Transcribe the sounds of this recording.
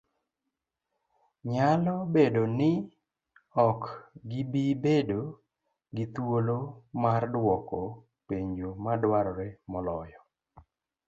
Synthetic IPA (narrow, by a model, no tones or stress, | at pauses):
ɲalɔbedonɪ | ɔkɡɪbibedo | ɡɪt̪wolomardwɔkɔ | peɲomadwaɾɔɾɛmɔlɔjɔ